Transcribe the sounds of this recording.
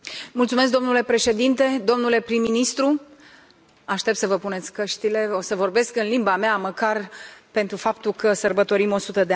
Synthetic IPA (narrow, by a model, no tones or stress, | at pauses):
mult̪sumesk̚d̪o̞mnule̞pɾe̞ʃe̞d̪int̪e̞d̪o̞mnule̞pɾimːinist̪ɾu | aʃt̪e̞p̚t̪səvəpune̞t̪sʲkəʃt̪ile̞o̞səvo̞rbe̞skɨnlimbameaməkarpe̞nt̪ɾufap̚t̪ulkəsərbət̪o̞ɾimo̞sut̪əd̪ea